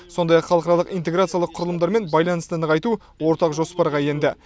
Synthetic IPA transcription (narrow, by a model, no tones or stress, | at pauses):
so̞nd̪ɑjɑqχɑlˠəqɑɾɑlˠəqijnt̪e̞ɡɾat̪sɨjalˠəqʰʊɾəlˠəmd̪ɑɾme̞nbɑjlˠɑnəst̪ənəʁɑjt̪u | wo̞ɾt̪ɑqʒo̞spɑɾʁɑje̞nd̪ɪ